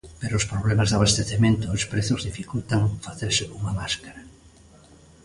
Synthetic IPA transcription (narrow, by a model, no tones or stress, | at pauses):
peɾoʊspɾoβlemazðaβast̪eθemẽnt̪oːspɾeθʊzðifikult̪aŋfaθeɾsɪuŋamaskaɾa